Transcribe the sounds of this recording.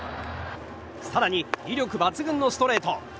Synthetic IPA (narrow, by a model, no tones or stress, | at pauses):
saɾaɲ̟iɾʲiɾʲo̞kɯ̟bat͡sɨɡɯ̟̃nːo̞sɨ̥t̪o̞ɾe̞ːt̪o̞